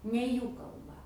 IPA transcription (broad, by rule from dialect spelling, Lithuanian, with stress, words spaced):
nʲɛ ˈjuː kɐlˠˈbɐ